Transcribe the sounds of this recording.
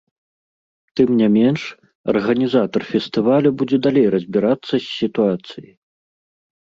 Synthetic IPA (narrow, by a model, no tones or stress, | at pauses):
t̪ɨmnʲamʲɛnʂ | ɐ̰rɣɐnʲizat̪ɐrfʲɛst̪ɨvalʲubud͡zʲɛd̪alʲejrɐzʲbʲiɾat̪sːɐsʲːit̪uat̪sɨjḭ